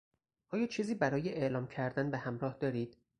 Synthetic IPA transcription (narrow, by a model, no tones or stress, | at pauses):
ʔɒːjɒːt͡ʃʰiːziːbæɾɒːjeʔeʔlɒːmcʰæɾd̪ænbehæmɾɒːhd̪ɒːɾiːd̪̥